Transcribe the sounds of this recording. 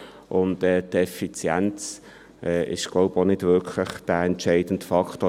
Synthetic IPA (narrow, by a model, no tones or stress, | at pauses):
ʔʊndɛːtɛfit͡sjɛ̰nt͡s | ʔɛːʔɪ̰ʃɡ̥loʊponɪd̥vʏɾkʰlɪχd̥æːɛntt͡ʃɛɪd̥ən̩tfɑktoː